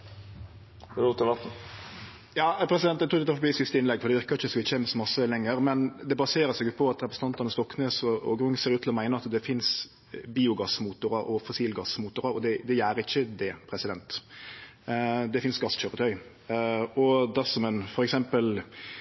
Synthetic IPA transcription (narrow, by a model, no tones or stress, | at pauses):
ɾut̪ːɪʋɑt̪̩ | jɑːpʰɾɛsɪd̪ɛnt̪ːæt̪ʰuːd̪ɛt̪ːfɑbiːsɪst̪əɪnlɛɡfɔɾd̪ɛʋɪɾkɑɾɪçəsʋɪəɛːməsɔmɑsəlɛŋːəɾmɛnd̪ɛbɑseːɾəsɛɡʊpʰɔɑt̪ɾɛpɾɛsəɑnt̪ɑnəst̪ɔkːneːsɔɔ̰ɡɾʊŋːəseːɾʉt̪ʰlɔmæɪnəɾɑt̪d̪ɛfɪns | biːʊɡɑsmuːt̪ʊɾɑɾɔfɔsiːlɡɑsmuːt̪ʊɾɑɾɔd̪ɛd̪ɛjæːɾəɪçːəd̪ɛpʰɾɛsɪd̪ɛnt̪ | d̪ɛfɪnsɡɑsçøːɾət̪ʰœʏ | ɔd̪æʁsɔmɛnfɔɾɛksɛmpəl